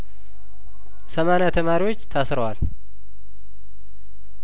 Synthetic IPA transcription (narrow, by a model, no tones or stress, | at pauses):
səmanat̪ʰəmaɾiwot͡ʃːt̪ʰasɾəwal